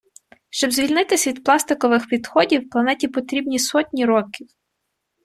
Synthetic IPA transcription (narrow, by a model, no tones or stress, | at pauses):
ʃt͡ʃɔbzʋʲilʲnɪt̪ɪsʲʋʲid̪plˠɑst̪ɪkɔʋɪxpʲid̪xɔdʲiwplˠɐnɛtʲipɔt̪ɾʲibnʲisɔtʲnʲiɾɔkʲiw